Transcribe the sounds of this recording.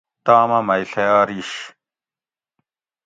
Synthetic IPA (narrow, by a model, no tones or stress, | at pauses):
t̪aːmɐmɐiɬɐjaːɾiːɕ